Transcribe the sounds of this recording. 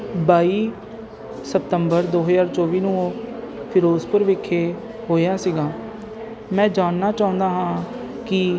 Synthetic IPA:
baːiː | səp̚t̪əmbəɾd̪oːɦəzaːɾt͡ʃɔːʋiːnũːoːpʰɪɾoːzpəɾʋɪkʰːeː | ɦoːjaːsiɡaː | mɛ̃ːd͡ʒaːnːaːt͡ʃaːʊ̃nd̪aːɦãː | kɪ

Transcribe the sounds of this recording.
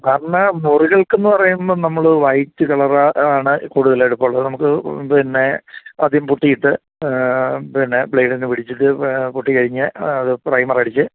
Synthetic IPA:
kaːɾɐɳamuruɣɐɭke̞nːɨpɐrɐjumonɐmːɐɭouʋɐjtːɨkɐɭɐraaːɳɨkuːɽuðɐleeɽupːɐɭːɐðɨnɐmukːɨpinːe̞ɐd̪ʱimpuʈːijiʈːɨ | pinːe̞bɭejɖinːɨpiɽit͡ɕːiʈːɨpuʈːikɐɻiɲːɐɐðɨprɐjmɐrɐɽit͡ɕːɨ

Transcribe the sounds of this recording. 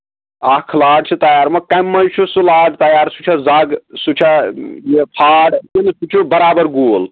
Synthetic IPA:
akʰlaːɖt͡ʃʰut̪ɐjaːɾmɐkɐmːɐnt͡ʃʰusulaːɖt̪ɐjaːɾsut͡ʃʰazɐɡsut͡ʃʰajepʰaːɖkinsʰut͡ʃʰubɐɾaːbɐɾɡuːl

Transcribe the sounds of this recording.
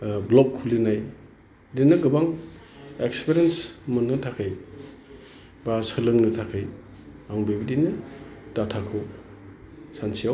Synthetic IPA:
blɔkʰːulinaj | dinːɯɡɯbaŋ | ekspeɾensmunːɯtʰakʰɯj | basɯlɯŋnɯtʰakʰɯj | aŋbebidinɯdatʰakʰɯw | sansijaw

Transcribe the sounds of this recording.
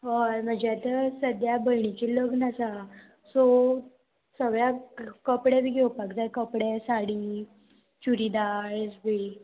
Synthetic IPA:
ɔɾm̤əd͡ʑeat̪əsəd̪jabəjɳit͡ɕiləɡnasa | so | səɡɭjakəpɽebiɡewpakd͡zajkəpɽesaɽi | t͡ɕuɾid̪aesbi

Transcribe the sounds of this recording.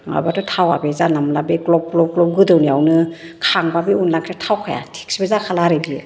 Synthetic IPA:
ŋa̰batɔtʰawa̰bezanamlabeklɔb̚klɔp̚klɔp̚ɡɯdɯwniawnɯkʰaŋbabiunlaŋkʰatʰawkʰaja̰tʰe̥k̚sbezakʰalaɾebi

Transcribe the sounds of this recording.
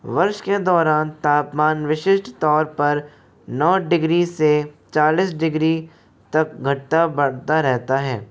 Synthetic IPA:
ʋɐɾʃked̪ɔːɾaːnt̪aːpmaːnʋɪʃɪʃʈt̪ɔːɾpɐɾ | nɔːɖɪɡɾiset͡ʃaːliːsɖɪɡɾi | t̪ɐk̚ɡʱɐʈʈabɐɽt̪aɾɛɦt̪aɦɛː

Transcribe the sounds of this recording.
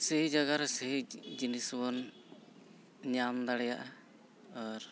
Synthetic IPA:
sɛɦid͡ʒaɡaɾɛsɛɦid͡ʒinisbɔn | ɲamd̪aɽɛja̰ʔa | aɾ

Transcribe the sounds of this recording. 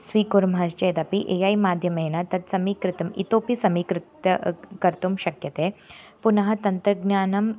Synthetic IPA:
sʋiːkuɾmɦast͡ɕed̪ɐpiʔejajmaːd̪ʱjɐmeenat̪ɐt̪sɐmiːkɾɪt̪ɐmḭt̪oːpisɐmikɾɪt̪ɐkɐɾt̪umɕɐkjɐt̪eː | punɐɦɐ̆t̪ɐnt̪ɾɐɡnjaːnɐm

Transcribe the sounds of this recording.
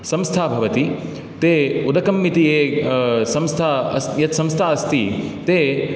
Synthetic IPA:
sɐ̃mst̪ʰaːbʱɐʋɐt̪i | t̪eːud̪ɐkɐmːit̪ijeːsɐ̃mst̪ʰaɐsjɐt̪sɐ̃mst̪ʰaːɐst̪it̪eː

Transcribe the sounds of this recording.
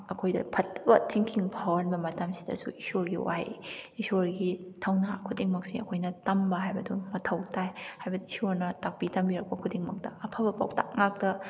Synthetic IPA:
ɐkʰojdɐ̰pʰɐt̚ːbɐtʰiŋkʰiŋpʰawɐnbɐmɐtɐmsi̥dɐ̰sṵisoɾɡiwa̰j̰isoɾɡitʰɐwnakʰudiŋmɐk̚siɐ̰kʰojnɐtɐmbɐɦajbɐdumɐtʰɐwtajhajbɐduisoɾnɐtak̚bitɐmbiɾɐk̚pɐkʰudiŋmɐk̚tɐʔɐpʰabɐpa̰wta̰ŋak̚tɐ

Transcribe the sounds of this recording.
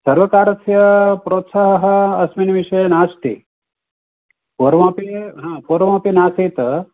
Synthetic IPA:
sɐɾʋɐkaːɾɐsʰjɐpɾoːt̪saɦɐɦɐ̆ɐsminʋiʃɐjnaːst̪ḭ | poɾʋãːpiɦãːpoːɾʋãːpinaːsiːt̪

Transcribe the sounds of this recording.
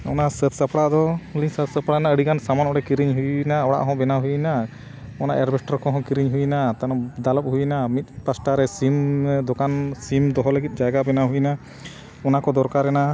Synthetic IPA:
ɔnasət̪ʰsəpʰɽad̪ɔuliɲsət̪səpʰɽanaəɽikansamanɔɽɛkiɾiɲɦujnaɔɽa̰ʔɦɔ̃bɛnaɦujna | ɔna̰ʔɛɾbɛsʈɔɾkɔɦɔ̃kiɾiɲɦujnat̪anɔ̃d̪aləp̚ɦujnamit̪̚ˀpasʈaɾɛsimd̪ɔkansimd̪ɔɦɔləɡit̪̚ˀd͡ʒaɡabɛnaɦujna | ɔnakɔd̪ɔɾkaɾɛna

